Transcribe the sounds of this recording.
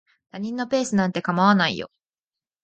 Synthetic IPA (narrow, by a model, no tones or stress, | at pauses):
t̪aɲ̟ĩnːo̞pe̞ːsɨnãnt̪e̞kamaβanaḭjo̰